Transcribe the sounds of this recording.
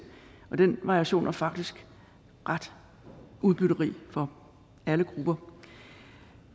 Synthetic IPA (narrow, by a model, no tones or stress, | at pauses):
ʔɒ̽d̥enʋɑ̈ʁiiæɕo̝̰ːnæfɑ̈ɡ̥d̥isɡ̥ | ʁad̥ | ʔuðˠb̥yɾ̥ɐʁḭːfɒ̽ | æləɡ̥ʁub̥ɐ